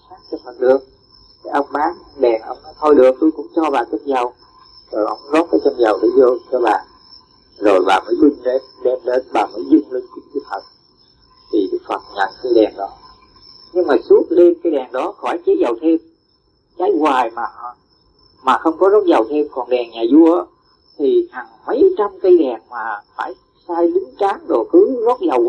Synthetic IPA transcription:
saː˦˥t̚t͡ɕɔ˧fʰə˨˩ɗɨ˧˩əŋ̚ | k̪a˨˧˦ʔə˧wŋ͡mɓaː˨˦nɗɛ˨˩nʔə̰˧wŋ͡mnɔ˨˦t̪ʰɔ˧jɗɨ̰˨˩ək̚t̪u˧jkʊ̰˧˥ŋ͡mt͡ɕɔ˧ɓaː˨˩kə˦t̚zə˨˩w | zo˨˩jʔə˧wŋ͡mzɔ˦˥t̚kaː˨˦jt͡ɕɔ˧mza˨˩wɗə̰˧˦zɔː˧kaː˨˧˦jɓa̰ː˧˨n | zo˨˩jɓaː˨˩məː˨˦jɓï˧ŋ̟ɗe˧nɗɛ˧mɗe˨˧˦nɓaː˨˩məː˨˦jzʊ˧ŋ͡mli˧ŋt͡ɕi˨˧˦ŋt͡ɕi˧˦t̪ʰə˨˩t̚ | t̪ʰi˨˩ɗɨ˦˥k̚fə˨˩t̚ɲə̰˧˩nkaː˧jɗɛ˨˩nɗɔ˨˦ | ɲɨ˧ŋmaː˨˩su˦˥ət̚ɗe˧mkaː˧˦jɗɛ˨˩ŋɗɔ˨˦xɔ˧˩jt͡ɕe˨˦zə˨˩wt̪ʰe˧m | kaː˨˦jɣwaː˨˩jmaː˨˩˨ | maː˨˩xə˧wŋ͡mkɔ˨˦zɔ˦˥t̚zə˨˩wt̪ʰe˧mkɔ˨˩nɗɛ˨˩ŋɲaː˨˩zu˧əʔ | t̪ʰi˨˩haː˨˩ŋmə˨˦jt͡ɕa˧mkə˧jɗɛ˨˩ŋmaː˨˩faː˧˩j | saː˧jɗɨ˨˦ŋt͡ɕaː˨˦ŋɗo˨˩xɨ˨˦zɔ˦˥t̚zə˨˩w

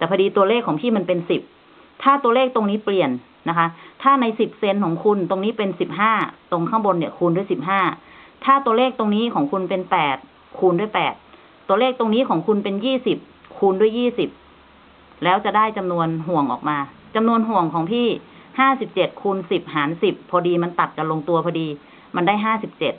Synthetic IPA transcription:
t̪ɛː˨˩pʰa˧diː˧t̪u˧ɐleː˥˩kʰːɔː˩˦ŋpʰiː˥˩ma˧npe˧nsi˨˩p̚ | t̪ʰaː˥˩t̪u˧ɐleː˥˩k̚t̪o˧ŋniː˦˥pli˨˩ənː | a˦˥kʰa˦˥t̪ʰaː˥˩na˧jsi˨˩p̚se˧nkʰɔː˩˦ŋkʰu˧nt̪o˧ŋniː˦˥pe˧nsi˨˩p̚ɦaː˥˩t̪o˧ŋkʰa˥˩ŋbo˧nːi˧˩kʰuː˧ndu˥˩əjsi˨˩p̚ɦaː˥˩t̪ʰaː˥˩t̪u˧ɐleː˥˩k̚t̪o˧ŋniː˦˥kʰɔː˩˦ŋkʰu˧npe˧npɛː˨˩t̪̚ | kʰuː˧ndu˥˩jpɛː˨˩t̪̚ː | u˧əleː˥˩k̚t̪o˧ŋniː˦˥kʰɔː˩˦ŋkʰu˧npe˧njiː˥˩si˨˩p̚kʰuː˧ndu˥˩əjːiː˥˩si˨˩p̚ | lɛː˦˥wt͡ɕa˨˩da˥˩jt͡ɕa˧mnu˧ənɦu˨˩əŋʔɔ̰ː˨˩k̚maː˧ | t͡ɕa˧mnu˧ənɦu˨˩əŋkʰɔː˩˦ŋpʰiː˥˩haː˥˩si˨˩p̚t͡ɕe˨˩t̪̚kʰuː˧nsi˨˩p̚ɦaː˩˦nsi˨˩pʰːɔː˧diː˧ma˧nt̪a˨˩t̪̚ka˨˩lo˧ŋt̪u˧ɐpʰɔː˧diː˧ | ma˧ndaː˥˩jɦaː˥˩si˨˩p̚t͡ɕe˨˩t̪̚

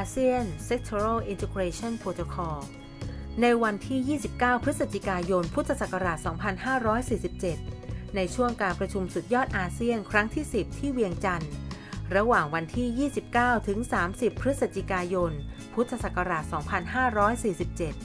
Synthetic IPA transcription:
ʔʔaː˧si˥˩ənse˦˥k̚t̪ʰo˧ɾa˥˩ʔi˧nt̪ʰe˧kɾeː˧t͡ɕʰɔ˥˩˨npʰoː˧t̪o˧kʰɔː˧ | na˧jwa˧nt̪ʰiː˥˩jiː˥˩si˨˩p̚kaː˥˩wpʰɾɯ˦˥t̪̚sa˨˧˩t͡ɕʰi˧˩kaː˧jo˧npʰu˦˥t̪ʰːa˧sa˨˩ka˧ɾaː˨˩t̪̚sɔː˩˦ŋpʰa˧nhaː˥˩ɾɔː˦˥jsiː˨˩si˨˩p̚t͡ɕe˨˩t̪̚na˧jt͡ɕʰu˥˩əŋkaː˧npɾa˧t͡ɕʰu˧msu˨˩t̪̚jɔː˥˩t̪̚ʔaː˧si˥˩ənkʰɾa˦˥ŋt̪ʰiː˥˩si˨˩p̚t̪ʰiː˥˩wi˧əŋt͡ɕa˧n | ɾa˧waː˨˩ŋwa˧nt̪ʰiː˥˩jiː˥˩si˨˩p̚kaː˥˩wt̪ʰɯ˩˦ŋsaː˩˦msi˨˩pʰːɾɯ˦˥t̪̚sa˨˩t͡ɕʰi˧˩kaː˧jo˧npʰu˦˥t̪ʰːa˧sa˨˩ka˧ɾaː˨˩t̪̚sɔː˩˦ŋpʰa˧nɦaː˥˩ɾɔː˦˥jsiː˨˩si˨˩p̚t͡ɕe˨˩t̪̚

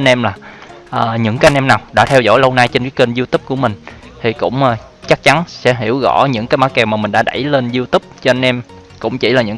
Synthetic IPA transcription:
nʔɛ˧mlaː˨˩ | ʔəː˨˩ɲɨ̰˧˥ŋkaː˨˦jʔnʔɛ˧mnaː˨˩wɗa̰ː˧˥t̪ʰɛ˧wzo̰˧˥˦jlə˧wna˧jt͡ɕe˧nkaː˨˦jkə˧nzi˧wt̪i˦˥p̚ku˧˩əmï˨˩ŋ̟ | t̪ʰi˨˩kʊ̰˧˥ŋ͡mʔə˨˩ | t͡ɕa˦˥k̚t͡ɕa˨˦nsɛ̰˧˥ɦi˧˩əwɣɔ̰˧˥˩ɲɨ̰˧˥ŋkaː˨˦jmaː˨˦˥kɛ˧˩wmaː˨˩mï˨˩ŋ̟ɗa̰ː˧˥ɗa̰˧˩jle˧nzi˧wt̪i˦˥p̚t͡ɕɔ˧ʔa˧nʔɛ˧m | kʊ̰˧˥ŋ͡mt͡ɕi˧˩laː˨˩ɲɨ̰˧˥ŋ

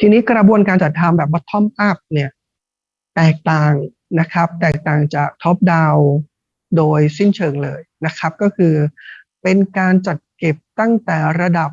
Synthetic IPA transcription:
t̪ʰiː˧niː˦˥kɾa˧bu˧ənkaː˧nt͡ɕa˨˩t̪ʰːa˧mbɛː˨˩p̚wa˥˩t̪ʰɔ˥˩mpʰaː˥˩p̚ni˥˩ɐ | t̪ɛː˨˩k̚t̪aː˨˩ŋ | na˦˥kʰɾa˦˥p̚t̪ɛː˨˩k̚t̪aː˨˩ŋt͡ɕaː˨˩k̚t̪ʰɔ˦˥p̚daː˧w | doː˧jsi˥˩nt͡ɕʰɤː˧ŋlɤː˧jna˦˥kʰa˦˥p̚kɔː˥˩kʰɯː˧ | pe˧nkaː˧nt͡ɕa˨˩t̪̚ke˨˩p̚t̪a˥˩ŋt̪ɛː˨˩ɾa˧da˨˩p̚

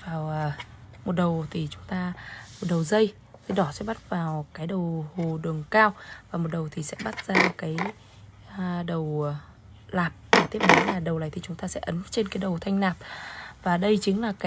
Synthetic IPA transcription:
vaː˨˩wmo˨˩t̚ɗə˨˩wt̪ʰi˨˩t͡ɕʊ˨˦ŋ͡mt̪aː˧mo˨˩t̚ɗə˨˩wzə˧j | t̪ʰe˨˦ɗɔ˧˩sɛ̰˧˥ɓa˦˥t̚vaː˨˩wkaː˨˦jɗə˨˩who˨˩ɗɨ˨˩əŋkaː˧wvaː˨˩mo˨˩t̚ɗə˨˩wt̪ʰi˨˩sɛ̰˧˥ɓa˦˥t̚z̥aː˧˩m˨˩kaː˨˦j | ɗə˨˩w | laː˨˩p̚a˨˩t̪i˦˥əa˨˦laː˨˩ɗə˨˩wlaː˨jt̪i˨˩t͡ɕʊ˨˦ŋ͡mt̪aː˧sɛ̰˧˥ʔə˨˦nt͡ɕe˧nkaː˨˦jɗə˨˩wt̪ʰa˧jŋ̟naː˨˩p̚vaː˨˩ɗə˧jt͡ɕï˨˦ŋ̟laː˨˩kaː˨˦

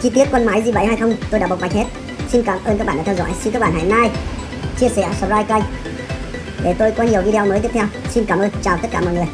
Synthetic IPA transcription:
t͡ɕi˧t̪i˦˥ət̚kwə˧nmaː˨˦jzi˨˩və̰˧˩jhaː˧jxə˧wŋ͡mt̪o˧jɗaː˧˥ɓ̚ɓa˨˩jŋ̚he˦˥t̚ | si˧nkaː˧˩mʔəː˧nkaː˦˥ɓaː˧˨aː˧˩˧wzɔ̰˧˥jsi˧nkaː˦˥k̚ɓaː˧˨nɦa̰˧˩na˧j | t͡ɕi˧əsɛ̰˧˩sə˨˧p̚zaː˧jka˧jŋ | ɗe˨˩t̪o˧jkɔ˨˦ɲi˨˩əwvi˧ɗe˧o˧məː˨˦j̪i˦˥t̪ʰwsi˧nkaː˧˩mʔəː˧nt͡ɕaː˨˩wt̪ə˦˥t̚kaː˧˩mɔ̰˧˨jŋɨ˨˩əj

